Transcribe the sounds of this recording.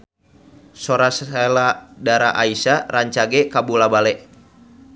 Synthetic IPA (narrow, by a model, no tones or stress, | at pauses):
soɾasaladaɾa̰ʔaisaɾaɲt͡ʃaɡɛkabulabalɛʔ